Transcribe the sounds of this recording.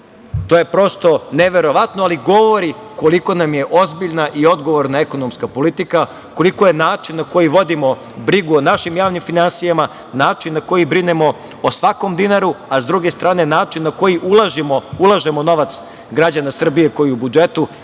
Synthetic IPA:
t̪oːjepɾo̞st̪o̞neʋe̞ɾo̞ʋat̪noaliɡo̞ʋo̞ɾi | ko̞liko̞namje̞ʔozbiʎnaʔiod̪ɡo̞ʋoɾnaeko̞nomskapolit̪ika | ko̞liko̞je̞naːt͡ʃinːako̞jiʋo̞d̪imo̞ | bɾiɡuonaʃimjaːʋnimfinansijama | naːt͡ʃinːako̞jibɾinemo̞ː | sʋako̞md̪inaɾuazd̪ɾuɡe̞st̪ɾaːne̞naːt͡ʃinːako̞jiʔulˠaʒimoulˠaʒemo̞no̞ʋat̪s | ɡɾad͡ʑanasr̩bije̞ko̞jiubud͡ʒe̞t̪u

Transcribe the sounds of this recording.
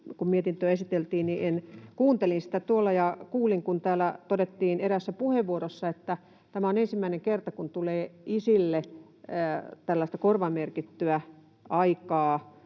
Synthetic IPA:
kummiet̪int̪øesit̪elt̪iːnniʔenkuːnt̪elinsi̥t̪æt̪uolːɑjɑkuːliŋkunt̪æːlæt̪odet̪ːiːneɾæsːæpuheʋʋuoɾosːɑet̪ːæ | t̪æmæonensimːæineŋkert̪ɑkunt̪uleːisilːe | t̪ælːæist̪ækorʋɑmerkit̪ːyæ | ʔɑikɑː

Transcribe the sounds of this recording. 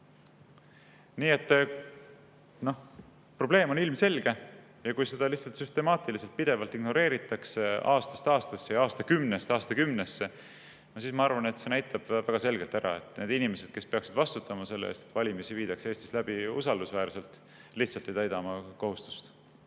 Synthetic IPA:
niːe̞t̪ː | no̞ | pro̞b̥le̞ːmo̞nilmse̞lɡ̥e̞ | jɑkujse̞d̪̥ɑliht̪sɑlt̪syst̪e̞mɑːt̪ilise̞lt̪̚pid̪e̞vɑlt̪iɡno̞ɾe̞ːɾit̪ːˑɑkseɑ̰ːst̪ɑ̥st̪ɑːst̪ɑsːe̞jɑːst̪ɑkymnesɑːst̪ɑkymnesːe̞ | nosiːsmɑɑɾvɑne̞t̪se̞næjt̪ʰɑb̥væɡ̥ɑse̞lɡelt̪æɾɑ̰e̞t̪ne̞ːd̪inimese̞d̪̥ke̞spe̞ɑksid̪̥vɑst̪ut̪ˑːɑmɑse̞lːeḛːst̪et̪vɑlʲimisiviːd̪̥ɑkse̞ːst̪i̥slæb̥iusɑld̪usvæːɾse̞lt̪ˑ | liht̪sɑlt̪ːˑe̞jt̪æjd̪̥ɑmɑko̞ɦust̪u̥st̪

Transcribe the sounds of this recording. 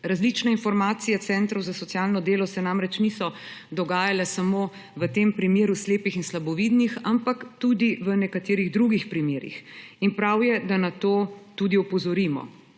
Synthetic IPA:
ɾazlit͡ʃnainfɔɾmaːt̪sijɛt̪sɛnt̪ɾɔwzasɔt̪sjaːlnɔd̪eːlɔsɛnamɾɛt͡ʃnisɔ | d̪ɔɡaːjalɛsamo | ʋət̪eːmpɾimjeːɾusleːpixinslabɔʋiːd̪nixampakt̪ud̪iʋənɛkat̪eːɾiɣd̪ɾuɡixpɾimeːɾḭxinpɾawjɛd̪anat̪oːt̪ud̪iɔpɔzɔɾiːmɔ̰

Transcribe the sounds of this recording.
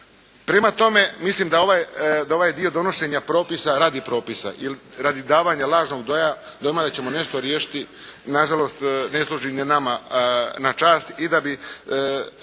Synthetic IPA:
pɾe̞mat̪o̞me̞mislimd̪ao̞ʋajd̪aoʋaːjed̪io̞d̪o̞no̞ʃe̞ɲapɾo̞ːpisaɾaːd̪ipɾo̞ːpisa̰ʔilɾaːd̪id̪aːʋaɲalˠaːʒno̞ɡd̪o̞jad̪ojmad̪at͡ɕe̞mo̞ne̞ʃt̪oɾjeːʃi̥t̪i | naʒalo̞st̪ne̞slˠuʒinenamanat͡ʃaːst̪id̪abi

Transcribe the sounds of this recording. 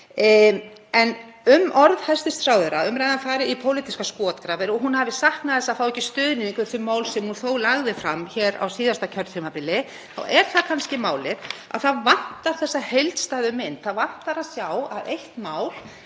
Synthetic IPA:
ɛn | ʏmʔɔɾðhajst̪ɪst̪fɾawðʏɾaʏmɾaːjðanfaːɾɪipʰowlit̪iskaskɔːt̪kɾaːvɪɾɔɣɦunhavɪsahknaðθɛsaθawɛjcɪ̥st̪ʏːðɪnɪiŋkvɪɾ̥θʏmːaːwlsɛmhunθowlaɣðɪfɾamçɛːɾa̰wsiːðast̪acʰœɾt̪fʏmapɪlːɪ | θa̰wɛɾ̥θakʰanscɪmaːwlɪɾ̥a̰wθaðvan̥t̪aɾ̥θɛsːahejlt̪st̪aːðʏmɪnt̪θaðvan̥t̪aɾaðsjawaðejht̪maːwl

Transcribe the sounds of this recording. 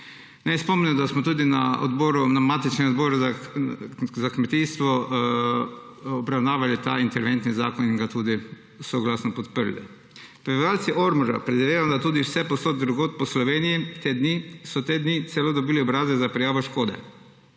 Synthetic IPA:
nɛjspɔmniɔd̪asmɔt̪uːd̪ina̰o̰d̪boːɾunamaːt̪it͡ʃnɛmɔd̪bɔːɾa | zakmɛt̪iːst̪ʋɔ | ɔbɾawnaːʋalit̪a̰int̪ɛɾʋent̪niza̰ːkɔniŋɡat̪uːd̪i | sɔɡlaːsnɔpɔt̪pəɾlɛ̰ | pɾɛʋalt̪siʔoɾmɔɾa̰pɾɛd̪iʋejad̪at̪uːd̪iwsɛposoːt̪d̪ɾuɡoːt̪̚pɔslɔʋeːnijit̪eːd̪nisɔt̪eːd̪nit̪sɛloːd̪ɔbiːliɔbɾaːzɛzapɾɛjaːʋoʃkoːd̪ɛ̰

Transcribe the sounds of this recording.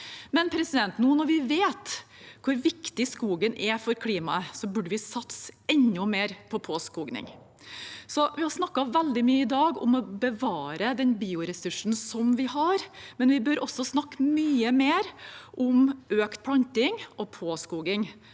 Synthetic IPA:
mɛnpʰɾɛsɪd̪ɛnt̪nuːnɔɾʋɪʋeːt̪kʰʊɾʋɪkt̪ɪskuːɡənʔɛfɔɾkʰliːmɑəsɔbʉɖəʋɪsɑt̪sɛnːʊmeːɾpʰɔpʰoːskuːɡnɪ̰ŋ | sɔʋɪhɑɾsnɑkːɑʋɛld̪ɪmyːəɪd̪ɑːɡʊ̰mɔbəʋɑːɾəd̪ɛnbiːʊɾɛsʉʂn̩sɔmʋɪhɑɾmɛnʋɪbøɾɔsːɔsnɑkːmyːəmeːɾʔʊmʔøːkt̪̚pʰlɑnt̪ɪŋɔpʰoːskuːɡɪŋ

